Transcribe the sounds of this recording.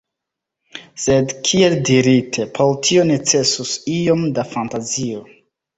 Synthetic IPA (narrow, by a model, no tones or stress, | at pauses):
se̞dkʰieldiɾitʰe̞pʰoltʰio̞net͡se̞susio̞mdafantazio̞